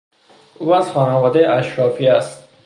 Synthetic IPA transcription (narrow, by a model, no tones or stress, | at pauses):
ʔuːæz̥xɒːnævɒːd̪ejeʔæʃɾɒːfiæst̪̚